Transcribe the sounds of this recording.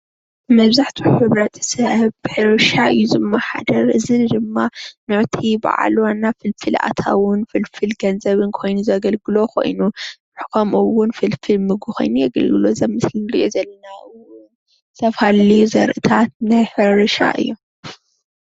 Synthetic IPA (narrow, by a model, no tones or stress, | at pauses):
mɐβzaħt̪ʰiħɨβɾɐt̪ʰsɐʔβbɨħɨɾɨʃaɨjːuzɨmːaħa̰d̪ɐɾɨzɨd̪ɨmːanɨʕt̪ʰiba̰ʕa̰lwanːafɨlfɨlʔa̰t̪ʰa̰wʊnfɨlfɨlɡɐnzɐβɨnkʰo̞jnuzɐɡɐlɡɨlo̞kʰo̞̰jnunɨħkʰomʔɨwʊnfɨlfɨlmɨɡuxʰo̰jnujɐɡɐ̰lɡɨlozɐmɨslɨndɨʔozɐlːɐnaʔɨwʊn | zʰɐfhalːiuzɐɾʔɨt̪ʰat̪̚najħɨɾɨʃa̰ʔɨ̰jːom